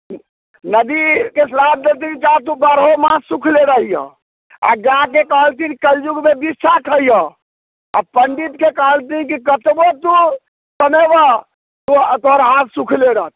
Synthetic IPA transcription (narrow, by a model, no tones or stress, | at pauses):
nəd̪ikesəlab̚d̪elt̪̬ikit͡ʃat̪ũbaɾɦomãsukʰleɾəɦijə̰̃ | a̰ɡakekəɦəlt̪inikəld͡ʒuɡmebissakʰəijə̃ | a̰pəɳɖit̪kekəɦəlt̪ikikət̪bot̪u | səmebə | t̪ut̪oɦəɾɦãt̪sukʰleɾəɦt̪̚ʰ